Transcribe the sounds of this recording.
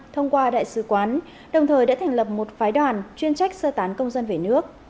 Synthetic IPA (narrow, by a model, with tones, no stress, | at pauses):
t̪ʰə˧wŋ͡mkwaː˧ɗa̰ː˧˨jsɨ˨˦kwaː˨˦n | ɗə˨˩wŋ͡mt̪ʰəː˨˩ja̰ː˧˥t̪ʰɛ˨˩ŋ̟lə˨˩p̚mo˨˩t̚faː˨˦jɗwaː˨˩nt͡ɕwi˧ənt͡ɕa˦˥jk̟̚səː˧t̪aː˨˦nkə˧wŋ͡mzə˧nve˨˩nɨ˦˥ək̚